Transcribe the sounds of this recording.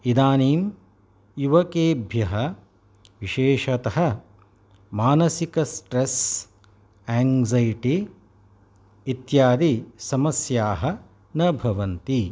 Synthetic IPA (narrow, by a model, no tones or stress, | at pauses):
id̪aːniːm | juʋɐkeːbʱjɐɦɐ | ʋiʃeːʃɐt̪ɐɦɐ̆ | maːnɐsikɐsʈɾes | ɛːŋzɐjʈi | it̪jaːd̪isɐmɐsjaːɦɐ̆ | nɐbʱɐʋɐnt̪i